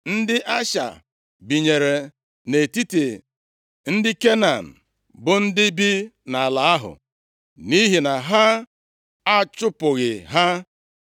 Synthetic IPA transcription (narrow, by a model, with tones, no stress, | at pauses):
n̩˦dɪ˦ʔa˦ʃa̰˨ | bi˨ɲe˨ɾe˨ | ne˨ti˦te˨ | n̩˦dɪ˦ke˦na˨n̩˨ | bʊ˨n̩˦dɪ˦bi˦na˨a˨la˨a˦ɦʊ̰˨ | ni˦ɦi˨na˨ɦa˦ | a˦t͡ʃʊ˦pʊ˨ɣɪ˨ɦa˦